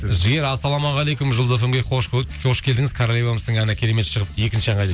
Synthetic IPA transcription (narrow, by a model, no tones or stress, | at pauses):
ʒɪɡʲeɾɑsːɑlˠɑmɑʁɑlˠejkʊmʒʊlˠd̪afəmɡʲejqʰoʃoʃkʲʰed̪ɪŋɪzkʰaɾolʲejvaməst̪əɴɑnəkʲʰe̞ɾe̞me̞t̪ʃəʁəpje̞kʲɪnʃɪʒɑɴɑjd̪e